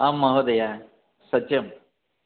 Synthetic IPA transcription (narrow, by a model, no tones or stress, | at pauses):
aːmːɐɦod̪ɐja | sɐt͡ʃːjɐm